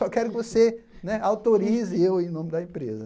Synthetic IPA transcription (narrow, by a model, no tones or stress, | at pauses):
ɔkɛɾʊkɪvose | nɛawt̪oɾizɪewẽj̃nõmɪd̪ɐẽpɾḛzɐ